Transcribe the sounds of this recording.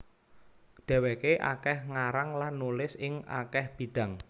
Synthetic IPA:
d̪̥ɛ̤wekeʔa̰kɛhŋaɾaŋlanːulɪsɪŋʔa̰kɛhb̥i̤d̪̥a̤ŋ

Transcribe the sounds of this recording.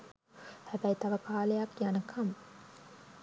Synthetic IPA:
hæbæjit̪ɐʋɐkaːlejakːjanəkʰam

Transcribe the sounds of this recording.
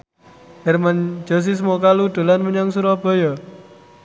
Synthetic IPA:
d͡ʒɛrman̥d͡ʒ̥ɔ̤s̬is̬mokalud̪̥o̤lanməɲɔŋsuɾɔb̥ɔ̤jɔ

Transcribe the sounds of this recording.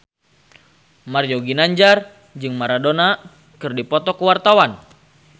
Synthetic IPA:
marjoɡinaɲd͡ʒar | d͡ʒɨŋmaɾadona | kɨrdipɔt̪ɔkəwart̪awan

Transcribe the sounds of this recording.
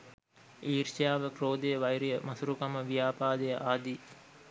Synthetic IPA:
iːɾʃijaːʋəproːd̪ejəʋɐjɾijəmɐsuɾukɐməʋijaːpaːd̪ejəʔaːd̪i

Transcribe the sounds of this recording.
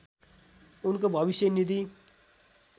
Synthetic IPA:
unkobʱʌbisjʌnid̪i

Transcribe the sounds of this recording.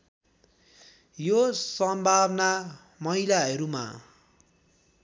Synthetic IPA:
josʌmbʱabna | mʌilaɦʌɾuma̰

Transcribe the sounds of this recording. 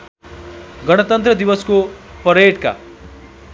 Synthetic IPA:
ɡʌɽ̃ʌt̪ʌnt̪ɾʌd̪iwʌskopʌɾeʈka̰

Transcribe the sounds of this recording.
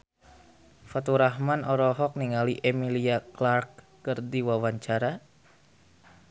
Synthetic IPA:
fat̪uɾaɦmanɔɾɔɦɔk̚niŋaliʔemiliaklark̚ː | ɨrdiwawaɲt͡ʃaɾa

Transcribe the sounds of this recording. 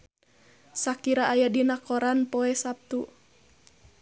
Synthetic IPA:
sakiɾaʔːjadinakɔɾanpɔɛsap̚t̪u

